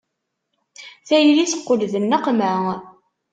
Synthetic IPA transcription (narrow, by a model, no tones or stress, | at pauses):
θæjliθə̥qːʊlðənːəqmæ